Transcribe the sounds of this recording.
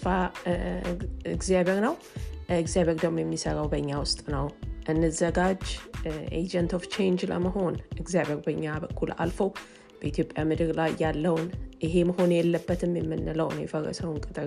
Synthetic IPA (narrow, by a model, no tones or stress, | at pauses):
fa | ɨɡzijaβeɾnəw | ɨɡzijaβe̞ɾd̪əmojɛmːisəɾawbəɨɲːawʊst̪ʼnəwʔɨnːɨzəɡad͡ʒʔḛd͡ʒənt̪ʰoft͡ʃʰejnd͡ʒlə̰məɦo̞nʔɨɡzjaβe̞ɾbəɲːabəkʰːula̰lfəw | b̥əit̪ʰjo̞pʼjamɨd̪ɨɾlajːalːəwnɨɦe̞məɦo̞njɛlːəbːət̪ʰɨmjɛmːɨnːɨləwnjɛfərːə̰səwɨŋkʼɨt̪ʼɨ